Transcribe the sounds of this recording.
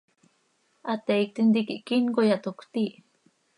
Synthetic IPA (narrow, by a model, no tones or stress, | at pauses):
at̪eik̚t̪int̪ikiʔkinkojat̪okt̪i